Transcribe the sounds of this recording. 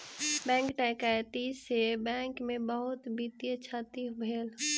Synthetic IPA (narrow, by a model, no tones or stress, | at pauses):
bɛ̃ːŋkʈakajt̪isebɛ̃ːŋkmẽbəɦʊt̪bit̪jət͡ʃʰaːt̪iɦbʱeːl